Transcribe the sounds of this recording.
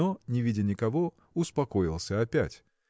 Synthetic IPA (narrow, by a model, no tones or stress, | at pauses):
onʲɪvʲidʲɪnʲɪkɐvo | ʊspɐkoɪlˠsʲəɐpʲæ̰tʲ